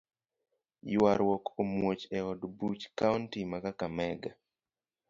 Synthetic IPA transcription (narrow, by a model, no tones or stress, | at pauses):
jwaɾwɔkomwot͡ʃɛɔdbut͡ʃkauntimakakamɛɡa